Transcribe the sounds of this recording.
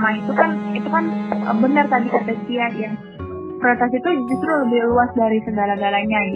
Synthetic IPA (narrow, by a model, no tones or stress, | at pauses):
mait̪ukanit̪ukanə̰bənart̪adikat̪ɛsiajaŋ | pəɾat̪asit̪ud͡ʒust̪ɾuləbɪhluasdaɾisəŋɡalaŋɡalaɲa